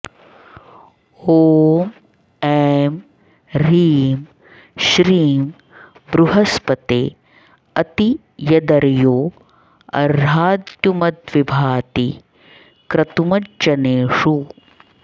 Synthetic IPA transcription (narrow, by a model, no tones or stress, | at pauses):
oːm | eːm | ɾiːm | ʃɾiːm | bɾuɦɐspɐt̪eː | ɐt̪i | jɐd̪ɐɾjoː | ɐ̰ɾaːd̪jumɐt̪ʋibʱaːt̪i | kɾɐt̪umɐd͡ʒɐneːʂu